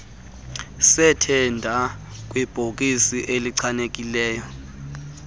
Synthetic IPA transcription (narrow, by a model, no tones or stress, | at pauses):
sɛtʰɛndʱa | k̬ʼwib̥ʱok̬ʼisiʔeliǀʰanek̬ʼilɛːjɔ